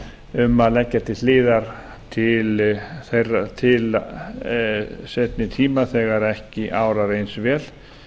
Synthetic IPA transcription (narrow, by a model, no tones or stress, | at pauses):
ʏmaðlɛcːat̪ɪθlɪːðaɾ̥ | t̪ʰɪlθejrːat̪ʰɪl | set̪nɪt̪ʰiːmaθɛːɣaɾɛhcɪʔaːwɾaɾejnsvɛːl